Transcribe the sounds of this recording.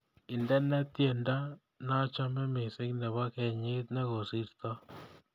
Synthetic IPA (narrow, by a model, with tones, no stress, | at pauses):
ɪ˨ndɛ˦nɛ˦tje˨nda˦ | na˦t͡ʃa˦mɛ˦mɪ˨sɪ˦knɛ˨βa˦kɛ˨ɲɪ˦t̪nɛ˦ɣo˨si˦ɾt̪ɔ˦